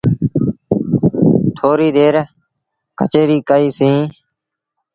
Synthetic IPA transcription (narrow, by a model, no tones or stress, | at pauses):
t̪ʰoːɾiːd̪eːɾ | kə̰t͡ʃeːɾiːkəiːsĩː